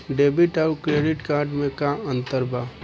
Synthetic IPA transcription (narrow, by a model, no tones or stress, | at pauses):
ɖeːbiʈaɾkɾeːɖɪʈkaːɾɖmẽkaə̃nt̪əɾbaː